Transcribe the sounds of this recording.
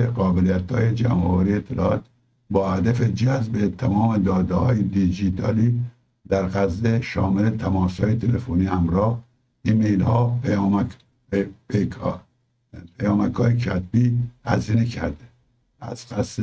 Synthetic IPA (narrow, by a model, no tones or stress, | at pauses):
eɣɒːbelijæt̪hɒ̰ːjed͡ʒæmɒːvæɾiet̪ʰːelɒɒːt̪ | bɒːhæd̪æfed͡ʒæzbet̪ʰæmɒːmed̪ɒːd̪ehɒ̰ːjed̪id͡ʒiːt̪ʰɒːliː | d̪̥æɾɣæzːeʃɒːmele̞t̪ʰæmɒːshɒːjet̪ʰelefoniːhæmɾɒːh | ʔiːmejlhɒːpjːm | pe | pʰejɒːmækhɒːjecʰæt̪̚biːhæziːnekʰæɾd̪e | æz̥qæs